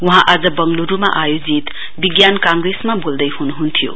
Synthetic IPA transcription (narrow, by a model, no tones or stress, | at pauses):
wɔɦaʔazɐbɐŋluɾumɐʔajod͡ʒit̪ | biɡjankaŋɡɾesmɐbuldɐjhunɦuntʰijṵ